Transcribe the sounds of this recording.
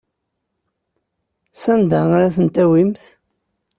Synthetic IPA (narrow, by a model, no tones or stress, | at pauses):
sænd̪aaɾæθənt̪æwimθ